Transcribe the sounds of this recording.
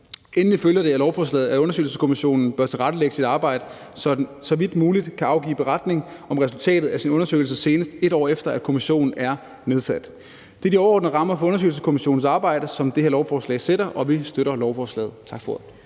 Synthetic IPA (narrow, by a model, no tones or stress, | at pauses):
en̩liføljɐd̥e̝ælɒʊfɒːs̬lɛ̰ːð̩ˠæɔ̽nɐsø̰ːlsəskʰo̝miɕo̝̰ːnn̩b̥ɶɐ̰t͡sʰe̝ʁɑɾ̥əleɡ̥əsid̥ɑ̈ːb̥ɑ̈ɪ̰ɾ̥ə | sɒ̽ʋid̥muːlid̥kʰæɑ̈ʊɡ̥ḭːb̥e̝ʁɑ̈d̥ne̝ŋɒ̽mʁɛsult͡sʰɛ̰ːd̥ð̩ˠæsinɔ̽nɐsø̰ːɪl̩s̬əse̝ːnəsd̥e̝ɾ̥ɒ̰ːefd̥ɐæ̥kʰo̝miɕo̝̰ːnn̩æɐ | ne̝ð̞ˠsæd̥ | d̥e̝d̥iɒʊɐɒ̰ːdnəʁɑ̈mɐfɒ̽ɔ̽nɐsø̰ɪl̩səskʰo̝miɕo̝̰ːn̩sɑ̈ːb̥ɑ̈ɪ̰ɾəsɒ̽md̥eheɐlɒʊfɒːslɛ̰ɪse̝ɾ̥ɐʔɒ̽ʋisd̥øɾɐlɒʊfɒːslɛ̰ːð̞̩ˠt͡sʰɑ̈ɡ̥fɒ